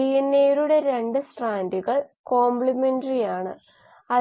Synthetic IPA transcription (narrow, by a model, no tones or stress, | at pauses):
ijinːeːɾuɽe̞ɾe̞ɳɖɨsʈraːnduɣɐɭko̞ːmbɭimenɖɐrijaːɳɨ̰ | ɐ